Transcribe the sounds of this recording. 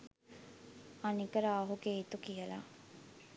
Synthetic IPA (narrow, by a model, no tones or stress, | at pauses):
anikəɾaːɦuɡeit̪ukijəla̰